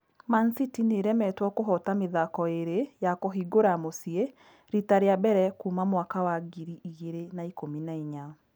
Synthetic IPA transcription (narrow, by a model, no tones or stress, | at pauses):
mansitineɾɛmɛtwɔkoɦɔtameðakɔeɾejakoɦiɡoɾamosie | ɾitaɾeabɛɾɛkuːmamwakawaɡiɾiiɣeɾenaikominaiɲa